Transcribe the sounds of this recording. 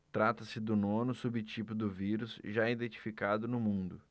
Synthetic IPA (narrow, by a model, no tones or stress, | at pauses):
t̪ɾat̪ɐsɪd̪ʊnõnʊsubɪt͡ʃipʊd̪ʊviɾʊsʒaid̪ẽt͡ʃi̥fikad̪ʊnʊmũnd̪ʊ